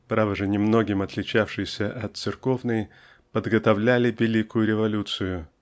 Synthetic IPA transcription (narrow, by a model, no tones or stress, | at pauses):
pɾavəʐɨnʲɪmno̞ɡʲɪmɐt̪lʲɪt͡ɕafʂɨjsʲəʔɐt̪sɨrko̞vnəj | pəd̪ɡət̪ɐvlʲælʲɪvʲɪlʲikʊjʊɾʲɪvɐlʲut̪sɨjʊ